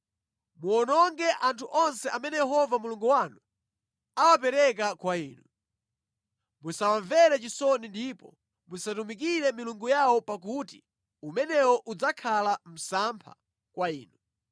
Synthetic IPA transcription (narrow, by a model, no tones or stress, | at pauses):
muɔnɔŋɡɛʔantʰuʔɔnsɛʔamɛnɛjɛɦɔvamuluŋɡuwanu | awap̬ɛɾɛk̬akwaiːnu | musawaɱvɛɾɛt͡ʃisɔnindipɔ̰ | musatumikiɾɛmiluŋɡujawɔpak̬uti | umɛnɛwɔʔud͡zakʰalam̩sampʰa̰ | kwaiːnu